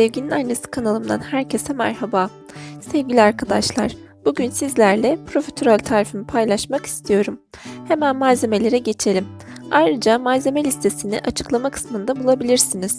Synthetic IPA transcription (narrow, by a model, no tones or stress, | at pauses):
sɛvɟininajnːesɯ̥kʰanalˠɯmd̪a̰nhæɾcʰe̞sɛmæ̰ɾhabaː | sɛvɟilʲiaɾkʰad̪aʃlˠa̰ɾ̥ | b̥uɟynsizlʲæɾlʲɛpʰɾo̞fet̪ʰøɾalʲt̪ʰaːɾifimipʰajlˠaʃmaki̥st̪ʰijo̞ɾum | he̞mænmaze̞me̞lʲe̞ɾɛɟe̞t͡ʃʰe̞lʲim | ajɾɯd͡ʒamaze̞melʲist̪ʰe̞sinḭʔat͡ʃʰɯ̥klˠamakʰɯ̥smɯnd̪abulˠabilʲiɾsiniz̥